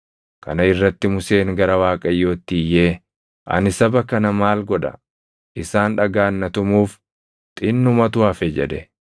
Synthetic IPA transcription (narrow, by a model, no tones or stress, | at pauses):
kɐ̰nɐɪrːɐt̪ːɪmʊse̞ːŋɡɐɾɐwaːkʼɐjːo̞ːt̪ːiːjːeː | ʔɐ̰nɪsɐbɐkɐnɐmaːlɡɔᶑɐ̰ | ʔɪsaːnᶑɐɡaːnːɐt̪ʊmuːf | t̪ʼɪnːʊmɐt̪ʊɐfɛd͡ʒɛ̰d̪ɛ